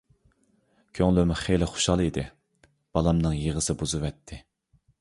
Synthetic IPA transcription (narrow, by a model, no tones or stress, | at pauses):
kʲʰøŋlymʊχejlɪχo̥ʃɑlˠid̪ɪ | b̥ɑlˠɑmnɨŋjeʁəsɨbuzɨvɛt̪ʰːɪ